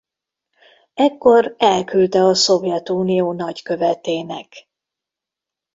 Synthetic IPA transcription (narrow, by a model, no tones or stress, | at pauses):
ɛkːo̞rɛlkylt̪ɛɒso̞vjɛt̪uːnijoːnɒɟkø̞vɛt̪eːnɛ̰k